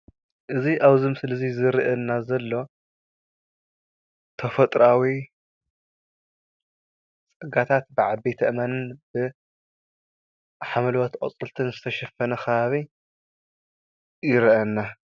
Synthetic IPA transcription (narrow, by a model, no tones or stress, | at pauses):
ʔɨziʔaβzɨmsɨlɐzizɨɾiʔɐnːazɐlːo̞ | t̪ʰɐfɐt̪ʼɾawi | t͡sʼɐɡat̪ʰat̪̚bɨʕabet̪ʰɐʔɨmanɨnb̥ɨ | ħamɐlwɐt̪qʼɐ̰t͡sʼɨlt̪ʰɨnzɨt̪ʰɐʃɐfɐnɐxɐβaβi | jɪɾʔɐnːa